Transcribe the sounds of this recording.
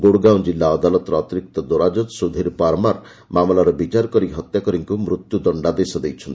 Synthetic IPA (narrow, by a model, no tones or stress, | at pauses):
ɡoɽɡawd͡ʒilːaɔd̪alɔt̪ɔɾɔɔt̪iɾik̚t̪ɔd̪oɾad͡ʒɔt̪sud̪ʱiɾpaɾmaɾ | mamlaɾɔbit͡ʃaɾkɔɾiɦɔt̪jakɔɾiŋkumɾut̪jud̪ɔɳɖab̪esɔd̪ejt͡ʃʰɔnt̪i